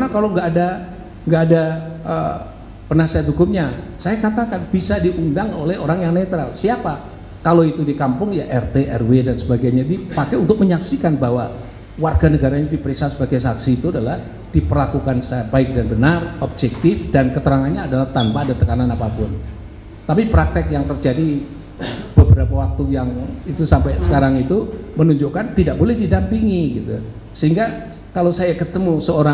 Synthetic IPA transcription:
kanakaloŋɡaːda | ŋɡaːdaʔə̰ | pənasiat̪hukʊmɲasajakat̪akanb̥isadiʔundaŋolɛhoɾaŋjaŋnet̪ɾalsiapa | kaloit̪udikampʊŋjaʔɛrt̪eʔɛrwedansəbaɡajɲadipakɛunt̪ʊk̚məɲaksikanbawa | warɡanəɡaɾaɲadipəɾiksat̪səbaɡajsaksiːt̪uadalah | d̥ipərlakukansajabaɪk̚danbənarob̚d͡ʒɛk̚t̪ɪfdankət̪əɾaŋanɲaːdalaht̪anpaːdat̪əkananapapʊn | t̪apipɾak̚t̪ɛk̚jaŋt̪ərd͡ʒadi | b̥əbəɾapawak̚t̪ujaŋit̪usampajsə̥kaɾaŋit̪umənuɲd͡ʒukant̪idaʔ̚bolɛhdidampiŋiɡit̪ṵ | səɦiŋɡa | kalosajakət̪əmusəoɾa

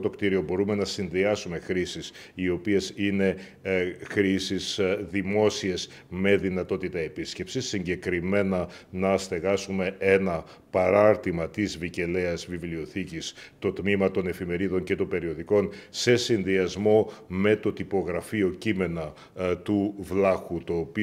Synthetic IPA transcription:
t̪o̞kt̪iɾio̞bo̞ɾume̞nɐsinðiɐsume̞xɾisis | io̞pie̞sine̞ | xɾisisðimo̞sie̞z | me̞ðinɐt̪o̞t̪it̪ɐe̞pisce̞psisːiɲɟe̞kɾime̞nɐnɐst̪e̞ɣɐsume̞enɐ | pɐɾɐɾt̪imɐt̪izvice̞leɐzvivlio̞θicist̪o̞t̪mimɐt̪o̞ne̞fime̞ɾiðo̞ɲce̞t̪o̞mbe̞ɾio̞ðiko̞nse̞sinðiɐzmo̞me̞t̪o̞t̪ipo̞ɣɾɐfio̞cime̞nɐ | t̪uvlɐxut̪o̞ːpi

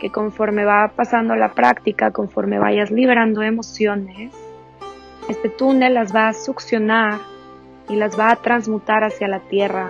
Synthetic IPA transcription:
ke̞ko̞ɱfo̞ɾme̞βapasand̪olapɾakt̪ikako̞ɱfo̞ɾme̞̰βa̰ʝazliβeɾand̪o̞e̞mo̞sjo̞ne̞s | e̞st̪e̞t̪une̞lːazβaːsuksjo̞naɾ | ilazβaːt̪ɾanzmut̪aɾasjalat̪je̞ra

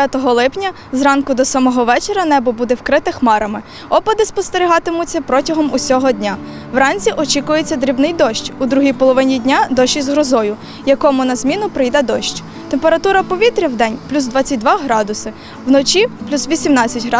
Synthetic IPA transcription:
at̪ɔɦɔlˠɪpnʲɐ | zrɑnkʊd̪ɔsɐmɔɦɔʋɛt͡ʃeɾʲɐnɛbɔbud̪ɛwkɾɪt̪ɪxmɑɾɐmɪ | ɔpɐd̪ɪspɔst̪eɾʲiɦɑt̪ɪmʊt͡sʲːɐpɾɔtʲɐɦɔmusʲɔɦɔdʲnʲa | wɾɑnʲt͡sʲiʔɔt͡ʃikʊjet͡sʲːɐd̪ɾʲibnɪjd̪ɔʃt͡ʃʲud̪ɾuɦʲijpɔlˠɔʋɪnʲidʲnʲad̪ɔʃt͡ʃizɦɾɔzɔjʊ | jɐkɔmʊnɐzmʲinʊpɾɪjd̪ɛd̪ɔʃt͡ʃʲ | t̪empeɾɐt̪uɾɐpɔʋʲit̪ɾʲɐwd̪ɛnʲplʲuzd̪ʋɑt͡sʲːɐt̚ʲd̪ʋɑɦɾɑd̪ʊsɪ | wnɔt͡ʃʲiplʲusʋʲisʲimnɑt͡sʲːɐtʲɦɑ

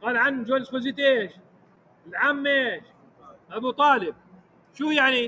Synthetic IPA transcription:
qɑːlʕanːd͡ʒwaːlɪsxoziːt̪ʔeːʃ | ɪlʕaːmːeːʃ | ʔabut̪ˤɑːlɪb̚ | ʃuːjaʕni

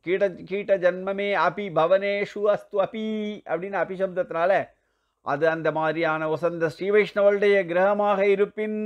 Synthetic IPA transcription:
kiːʈɐkiːʈɐd͡ʒɐnmɐmeːɐpibʱɐʋɐneːʃuɐst̪uɐpiɐ̰ʋɽiːnɐɐpiʃɐbd̪ʱɐt̪naːle | ɐ̰d̪ɨɐnd̪ʱɐmaːɾijaːnɐɔsɐnd̪ɐʃɾiːʋɐjʂɳɐʋɐɭɖɐjɐɡɾɐɦɐmaːɦɐiɾupːin

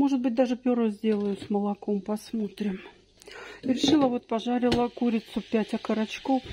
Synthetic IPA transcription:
mo̞ʐɨt̪̚bɨt̚ʲd̪aʐɨpʲoɾəzʲdʲe̞lˠəjʊsməlˠɐko̞mpɐsmot̪ɾʲɪm | iɾʲɪʂɨlˠəvot̪̚pɐʐaɾʲɪlˠəkuɾʲɪt̪sʊpʲætʲɐkəɾɐt͡ɕkof

